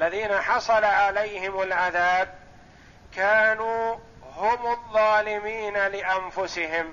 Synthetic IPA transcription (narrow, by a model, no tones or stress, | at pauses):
ʔalːaðiːnaħɑsˤɑlaʕalajhɪmalʕaðaːb̚ | kaːnuː | hʊmɑðˤːɑːlɪmiːnalɪʔanfʊsɪɦɪm